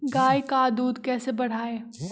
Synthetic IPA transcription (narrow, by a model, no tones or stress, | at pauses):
ɡaːjkaːd̪uːd̪kɛːsebɐɽ̤aːeː